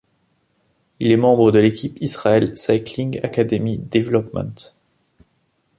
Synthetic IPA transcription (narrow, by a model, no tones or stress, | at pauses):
ilɛmɑ̃bʁəd̪əlekʲipisʁaɛlsakliŋɡa̰kad̪emid̪evlɔpmɑ̰̃t̪